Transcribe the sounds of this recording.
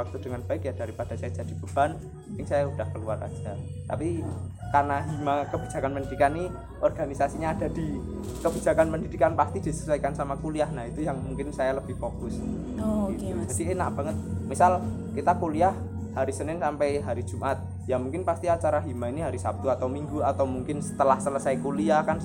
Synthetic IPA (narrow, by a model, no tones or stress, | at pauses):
ak̚t̪ud̥əŋanb̥aɪkjad̥aɾipad̥asajad͡ʒad̥i̤purb̥an | ɪŋsajaud̥ahkəluara̰̥d͡ʒ̥a | t̪a̰pi | karnaɦimakəb̥id͡ʒ̥a̤kanpəndidikanːi | ʔɔrɡ̥anisasiɲaːd̥ad̥i | kəb̥id͡ʒa̤kanpəndidikanpast̪id̥i̤sə̥saikansamakuliahnaɦit̪ujaŋmuŋkɪnsajaləb̥ɪhfokʊs | oitud͡ʒad̥ienaʔb̥aŋət̪̚misal | kit̪akuliah | haɾisənɪnsampɛjɦaɾi̥d͡ʒ̥umʔat̪̚ | jamuŋkɪnpast̪iat͡ʃaɾaɦimainiɦaɾisa̰p̚t̪uat̪awmiŋɡuat̪awmuŋkɪnsə̥t̪əlahsələsajkoliahkan